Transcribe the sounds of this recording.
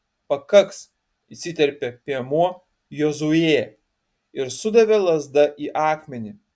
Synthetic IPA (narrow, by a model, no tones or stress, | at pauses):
pɐkɐks | isʲɪt̪ʲɛɾʲpʲɛpʲiɛmuɔ | jozueː | ɪɾsʊd̪ɐʋʲɛlˠɐzd̪ɐʔiːʔɑːkmʲɛnʲi